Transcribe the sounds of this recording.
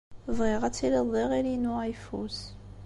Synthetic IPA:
vʁiʁæt͡sːiliðˤiʁiɾinuajfus

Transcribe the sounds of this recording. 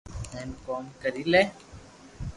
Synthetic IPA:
eːnkoːmkəɾiːleː

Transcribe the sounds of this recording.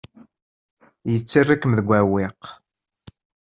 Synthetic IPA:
jət͡sːirˤːikːəmðəɡʷːæwɪq

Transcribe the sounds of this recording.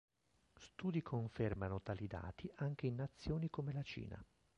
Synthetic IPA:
st̪uːd̪ikʰoɱfermanot̪aːlid̪a̰ːt̪iʔaŋk̟einːat̪sːjoːnikomelat͡ʃḭːna̰

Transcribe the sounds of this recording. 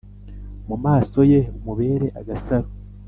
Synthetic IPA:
mumaːso̞jeumuβe̞ːɾe̞ʔaɡasaɾo

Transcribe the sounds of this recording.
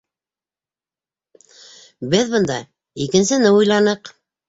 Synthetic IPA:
bɘðbɤ̆nd̪ɑ | ikɘ̆nsɘ̆nɘujlˠɑnɤq

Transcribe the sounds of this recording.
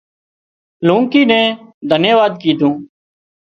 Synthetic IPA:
lũːŋkiːnɛ̃ːd̪ʱənjəʋaːd̪̚kiːd̪ʱũː

